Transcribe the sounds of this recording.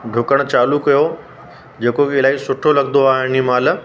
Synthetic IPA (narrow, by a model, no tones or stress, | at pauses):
ɖʱʊkəɽ̃t͡ɕaːlukɐjo | d͡ʑeːkokɪlaːisʊʈʰolɐɡnd̪oaːɦɪnd͡ʑimaːl̆